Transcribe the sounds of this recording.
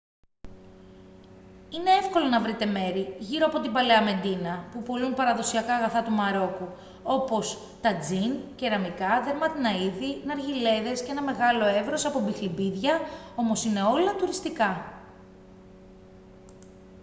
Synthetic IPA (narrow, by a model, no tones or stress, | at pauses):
ine̞efko̞lonɐvɾit̪e̞me̞ɾiʝiɾo̞ɐpo̞t̪ibɐleɐme̞nd̪inɐpupolunpɐɾɐðo̞siɐkɐːɣɐθɐt̪umɐɾo̞ku | o̞po̞s | t̪ɐd͡zince̞ɾɐmikɐðe̞ɾmɐt̪inɐiðinɐɾʝile̞ðe̞sceenɐme̞ɣɐlo̞e̞vɾo̞sɐpobixlibiðʝɐo̞mo̞sine̞o̞lɐt̪uɾist̪ikɐ